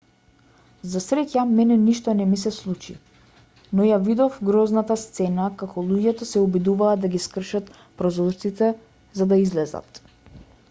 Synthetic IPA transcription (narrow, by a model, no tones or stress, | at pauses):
zasɾɛcamɛnɛniʃt̪ɔnɛmisɛslˠut͡ʃḭ | nɔjavid̪ɔfɡɾɔznat̪ast̪sɛnakakʰɔlˠuɟɛt̪ɔsɛubid̪uvaːd̪d̪aɡiskr̩ʃat̪ | pɾɔzɔʃt̪sit̪ɛ | zad̪aizlɛza̰t̪